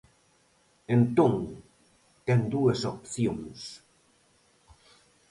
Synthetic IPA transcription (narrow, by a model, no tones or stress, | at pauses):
ẽnt̪oŋ | t̪ɛnd̪uesopθjoŋs